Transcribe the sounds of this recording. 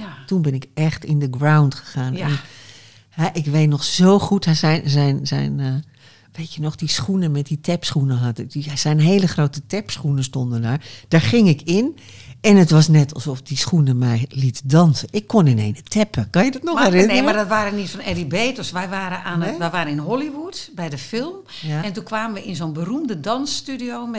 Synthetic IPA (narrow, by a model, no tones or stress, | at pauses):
tunbɪnɪkɛxtɪndəɡrawntχə̥ɣaːnɛn | hɛʔɪkʋeːtnɔxsowχuthɛɛnzɛjnzɛ̰jn | ʋeːtjənɔχdisχunəmɛt̚ditɛpsχunəɦɑtasɛjnɦeːləxroːtətɛpsχunəstondəndaːɹd̥aːɹχɪŋɪkɪn | ɛnətʋɑsnɛtʰɑlˠsɔfdisxunəmɛjlitdɑnsəʔɪkʰːonɪnḛːnətʰɛpʰəkɔnjədɔtnɔxɛrɪnnemadɔtʋaːɛnitfɔnɛribeːtɔsʋɛjʋaːɾəanəʋɛjʋaːɾənɪnɦɔliʋutbɛjdəfɪlˠm | ɛntunkʋaːmənʋəɪnzoːnbərumdədɑnstydiowm